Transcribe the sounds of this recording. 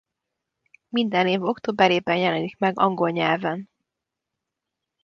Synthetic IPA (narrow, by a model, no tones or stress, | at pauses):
mind̪ɛneːvo̞kt̪oːbɛɾeːbɛnjɛlɛnikmɛɡɒŋɡo̞lɲɛlvɛn